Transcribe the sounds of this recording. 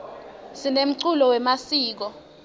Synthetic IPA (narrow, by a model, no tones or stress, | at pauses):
sinem̩ǀulɔwɛmasiːk̬ɔ